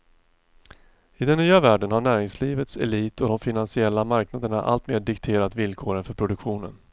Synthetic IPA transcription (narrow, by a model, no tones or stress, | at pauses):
ɪd̪ɛnːyːavæːɖənhaɳæːɾɪŋsliːvət̪sɛ̰liːt̪ʰɔd̪ɔmfɪnansɪɛlːamaɾknad̪əɳa̰ʔa̰lt̪meːɖɪkt̪ʰeːɾat̪vɪlkʰoːɾənfœɾpʰɾʊd̪ɵkɧuːnə̰n